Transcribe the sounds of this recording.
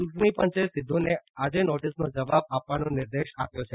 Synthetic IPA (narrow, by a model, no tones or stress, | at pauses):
t͡ʃuʈnipə̃ɲt͡ʃesɪd̪ʱːonead͡ʒenoʈisnod͡ʒəʋab̚apʋanõnɪɾd̪eʃapjõt͡ʃʰe